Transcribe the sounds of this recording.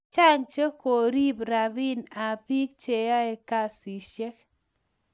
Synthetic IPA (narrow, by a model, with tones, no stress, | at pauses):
t͡ʃa˦ŋt͡ʃe˦ko˨ɾi˦bɾa˨βi˦na˨pi˦k̚t͡ʃe˨ja˦e˨ka˦si˨ʃjɛ˦k